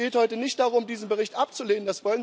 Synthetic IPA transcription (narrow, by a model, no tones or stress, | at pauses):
eːthɔʏtənɪçtd̥aʁʊmdiːzən̩bəʁɪçtʔap̚t͡suleːnənd̥asv̥ɔlən